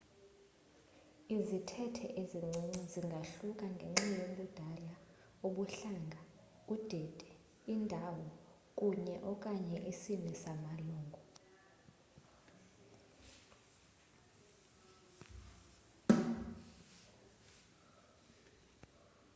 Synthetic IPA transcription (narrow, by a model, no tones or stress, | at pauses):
izitʰɛtʰɛ̰ʔeziŋ͡ǀʱiɲuziŋɡʱaɬukʼaŋɡʱeŋ͡ǁijoɓud̥ʱala | uɓuɬaŋɡʱa | ud̥ʱɛd̥ʱɛ | indʱawɔ | kʼuɲɛʔɔkʼaɲɛʔisinisamaluːŋɡʱu